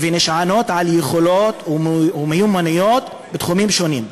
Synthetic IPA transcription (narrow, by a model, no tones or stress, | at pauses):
veneʃʕano̞tʕaljeχo̞lot̪umejumanijo̞t̪ | bet̪χumimʃo̞nim